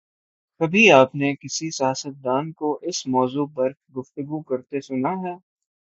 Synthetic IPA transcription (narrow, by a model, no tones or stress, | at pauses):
kɐbʱiaːpnekɪsisɪjaːsət̪̚d̪aːnkoʔɪsmɔːzuːpɐɾɡʊft̪əɡukɐɾt̪esʊnaɦɛː